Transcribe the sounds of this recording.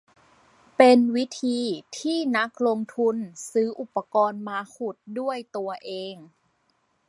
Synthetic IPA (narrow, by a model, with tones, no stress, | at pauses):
pe˧nwi˦˥t̪ʰiː˧t̪ʰiː˥˩na˦˥k̚lo˧ŋt̪ʰu˧nsɯː˦˥ʔu˨˩pːa˧kɔː˧nmaː˧kʰu˨˩t̪̚du˥˩əjt̪u˧ɐʔeː˧ŋ